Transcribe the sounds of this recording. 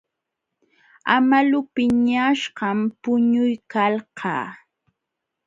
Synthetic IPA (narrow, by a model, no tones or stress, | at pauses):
amalʊpɪɲaʃɢɑmpʊɲʊjkalɢɑ̰ː